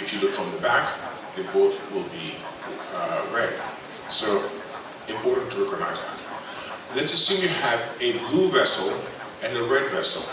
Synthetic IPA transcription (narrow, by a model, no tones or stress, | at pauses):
ɨfjɨlʊkfɹʌ̃mðəbæk | ɨt̚b̥oʊθwɪlˠbi | ɹɛd̥̚ | soʊ | ɨ̃mpʰɔɹʔn̩tʰəɹɛkəɡ̚na̰ɪzðɨ̃m | lɨtd͡ʒʌsʉ̃njɨɨvɨbluvɛsl̩ˠ | ɨ̃nɨɹɛdvɛsl̩ˠ